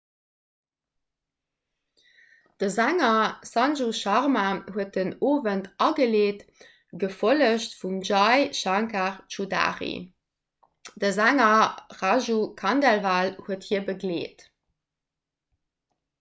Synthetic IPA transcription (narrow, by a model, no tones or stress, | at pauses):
d̥əzæŋɐsɑnʒuʃɑʁmahuət̚dənoːvəntɑɡəleːt | ɡ̥əfoləɕtfumʒɑɪʃɑŋkaʁt͡ʃuda̰ːʁḭ | d̥əzæŋɐʁaʒukʰɑndælvaːlhuəthiəbəɡleːt